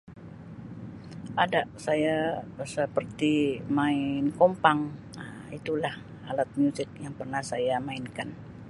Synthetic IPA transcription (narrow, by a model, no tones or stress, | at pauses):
ʔadaʔsajasəpərt̪imaɪnkompaŋ | it̪ulah | alat̪̚mjusɪk̚jaŋpərnahsajamaɪnkan